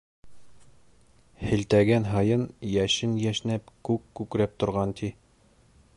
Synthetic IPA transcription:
hɘ̆lt̪æɡænɦɑjɤnjæʃɘnjæʃnæpkʉkːʉkɾæp̚t̪ŏɾʁɑnt̪ʰi

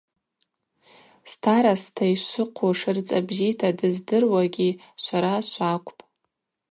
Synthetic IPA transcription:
stʰaɾastʰaiʃʷɨqʷʰoʂɨrt͡sʼabzitʰadɨzdɨrwaɡʲi | ʃʷaɾaʃʷakʷʼpʼ

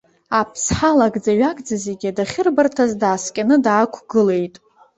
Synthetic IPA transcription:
apʰsħalaɡʼd͡zaɥaɡʼd͡zaze̞ɡʲiadaχʲɪrbartʰazdaːskʲʼanɨdaːkʷʰɡɨle̞jtʼ

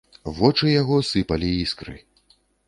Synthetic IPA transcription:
vɔt͡ʂɨjaɣɔsɨpɐlʲiiskɾɨ̰

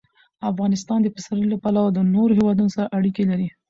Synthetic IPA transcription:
afɣɑnɪst̪ɑnd̪əpəsaɾəllapalawad̪ənoɾohewɑd̪unosaɾaʔaɽikelaɾi

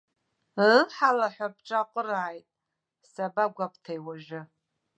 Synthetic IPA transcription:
ħalaħʷap̚ʰʼʈ͡ʂʼaqʷʼəɾaːjtʼ | sabaɡʷapʰʼtʰajwaʒɪ

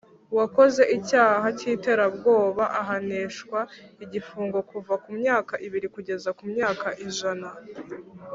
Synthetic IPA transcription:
wako̞ze̞ʔicaːɦaciːte̞ɾabɡo̞ːβaʔaɦaneːʃkwaiɟifuːŋɡo̞kuvakumɲaːkaʔiβiɾikuɟe̞zakumɲaːkaʔiʒana

